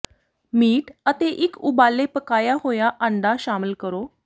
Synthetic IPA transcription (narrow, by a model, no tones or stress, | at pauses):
miːʈət̪eːʔɪkʊbaːleːpəkaːjaːɦoːjaːʔə̃ɳɖaːʃaːmɪlkəɾoː